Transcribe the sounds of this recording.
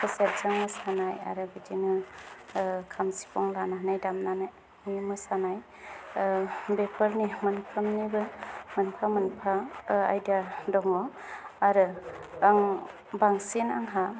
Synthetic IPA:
kʰɯseɾzaŋmɯsanaja̰ɾɯbidinɯ | kʰamsi̥pʰɔŋlanaɦnajdamnanaj | imɯsanaj | bepʰəɾnimɯnpʰɯmnibɯmɯnpʰamɯnpʰaa̰jdadɔŋɔ | aɾɯːŋ | baŋsina̰ŋɦa

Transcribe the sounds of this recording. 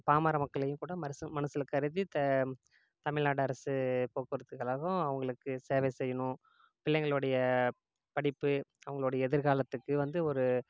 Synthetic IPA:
paːmaːɾɐmɐkːɐɭɐjɯ̃kuːɽɐmɐɾɐsɯmɐnɐsɪlkːɐɾɪðit̪ɐ | t̪ɐmɪɻnaːɽɐɾɐsɯpoːkɯɾɐðɯkːɐɭɐɣɐ̃ɐʋɐŋɡɐɭɯkːɯseːʋɛsɛjːɐɳʊ̃ | pɪlːɛŋɡɐɭɯɽɐjɐ | pɐɽɪpːɯɐʋɐŋɡɐɭɯɽɐjɐɛðɪɾɣaːlɐt̪ːɯkːɯʋɐnd̪ɯɔɾɯ

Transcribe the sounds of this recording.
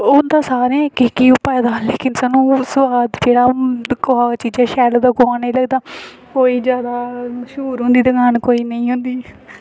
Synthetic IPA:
ʊːnd̪ãːsaːɾãːkɪkiːʊpɛːd̪aːleːkɪnsaːnũːsʊʋaːd̪d͡ʒeːɽaːkoaːt͡ʃiːd͡ʒãːʃɛːlːd̪aːkoaːnĩːləɡd̪aː | koːiːzjaːd̪aːʃuːɾɦʊ̃nd̪iːd̪əɡaːnkoːiːnəĩːɦʊ̃nd̪iː

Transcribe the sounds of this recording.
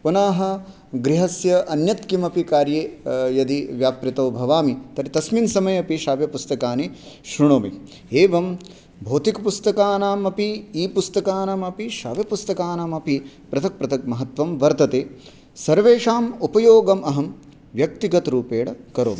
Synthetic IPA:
punaːɦɐ | ɡɾiɦɐsjɐʔɐnjɐt̪kimɐpikaːɾjeːjɐd̪iʋjaːpɾit̪ɐːbʱɐʋaːmit̪ɐɾit̪ɐsminsɐmɐjɐpiʃaːʋjɐpust̪ɐkaːni | ʃɾuɳoːmi | eːʋɐm | bʱoːt̪ikɐpust̪ɐkaːnaːmɐpiiːpust̪ɐkaːnamɐpiʃa̰ːʋjɐpust̪ɐkaːnaːmɐpi | pɾɐt̪ʰɐk̚pɾɐt̪ʰɐk̚mɐɦɐt̪ʋɐmʋɐɾt̪ɐt̪eː | sɐɾʋeːʃaːmupɐjoːɡɐmɐɦɐm | ʋjɐk̚t̪iɡɐt̪ɐɾuːpeːɽɐkɐɾo̰ːmi

